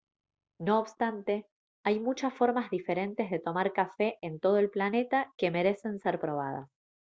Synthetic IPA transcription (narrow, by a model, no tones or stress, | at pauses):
no̞ːβst̪ant̪e̞ | ajmut͡ʃasfo̞ɾmazðife̞ɾe̞nt̪e̞zðe̞t̪o̞maɾkafe̞ʔent̪o̞ð̞oe̞lplane̞t̪ake̞me̞ɾe̞se̞nseɾpɾo̞β̞aða̰s